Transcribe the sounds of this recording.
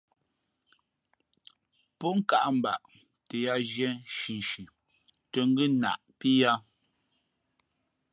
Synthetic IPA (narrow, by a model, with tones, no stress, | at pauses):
pɔ˦ŋ̩˨ka̰˨ʔm̩˨ba̰˨ʔ | te˨ja˦ʒjɛ˦ʃi˨n˨ʃʉ˨ | tə˨ŋ̩˦ɡʉ˦na̰˨ʔpi˦ja˦